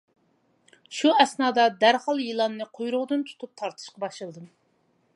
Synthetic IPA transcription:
ʃuɛsnɑːd̪ɑd̪æɾhɑlˠjilˠɑnːɨqʰojɾʊʁd̪ɨnt̪ʰu̥t̪ʰup̚t̪ʰɑɾt̪ʰɨ̥ʃqɑbɑʃlˠɨlˠɨd̪ɨm

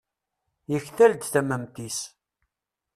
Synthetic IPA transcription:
jəçθæld̪θæmæmt̪is

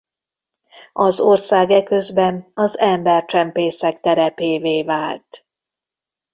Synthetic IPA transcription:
ɒzo̞rsaːɡɛkøzbɛnɒzɛmbɛrt͡ʃɛmpeːsɛkt̪ɛɾɛpeːveːvaːlt̪

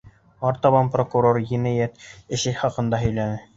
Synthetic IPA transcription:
ɑɾt̪ɑβɑnprokuɾorɡinæjæt̪ɘ̆ʃɘχɑqɤ̆nd̪ɑɦɵ̆jlænɘ

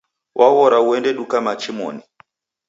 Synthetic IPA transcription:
wʔawɔɾauɛndɛɗukamat͡ʃimɔ̰ni

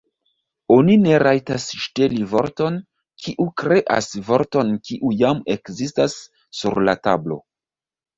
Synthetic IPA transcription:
o̞nine̞ɾʔajtasʃte̞livo̞̰ɾto̞n | kʰiʔukɾe̞ʔa̰svo̞ɾto̞nkiʔujamekzistasː | uɾla̰ta̰blo̞̰

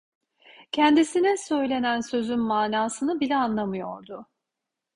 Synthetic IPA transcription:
cʰɛnd̪isinɛsø̞jlʲe̞nænsø̞zynmaːnaːsɯnɯbilʲɛanlˠamɯjo̰ɾd̪ʊ

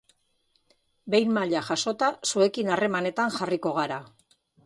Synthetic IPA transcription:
be̞jnmaʎaʝaso̞t̪asue̞kinare̞mane̞t̪anʝariko̞ɣ̞aɾa

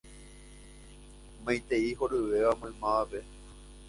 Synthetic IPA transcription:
mãj̃t̪eihoɾɨʋeʋamõj̃mãape

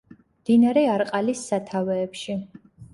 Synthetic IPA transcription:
md̪̥inaɾɛaɾqʼalisːat̪ʰavɛːpʃi

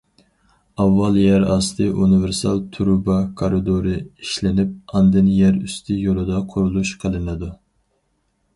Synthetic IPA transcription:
ɑvːɑlˠjæɾɑst̪ʰɨʔunɨvɪɾsɑlˠt̪ʰuɾubɑkʰoɾɨd̪oɾɨiʃlɪnɪp̚ɑnd̪ɨnjæɾyst̪ʰɪjolˠɨd̪ɑqʰʊɾulˠuʃqʰəlˠɨnɨd̪u

